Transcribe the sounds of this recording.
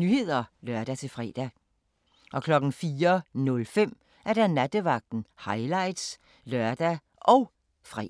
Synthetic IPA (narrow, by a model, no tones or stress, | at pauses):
nyhe̝ð̰ˠɐlɶɐd̥æt͡sʰe̝lfʁɛ̰ːd̥æ | ʔɒ̽kʰlɒ̽ɡ̥n̩fiːɐnɔ̽lfem̰ | ʔæɐd̥ænæd̥əʋɑ̈ɡ̥̚d̥n̩hɑ̈ɪlɑ̈ɪd̥s | lœɐd̥æ | ʔɒ̽ʊ | fʁɛ̰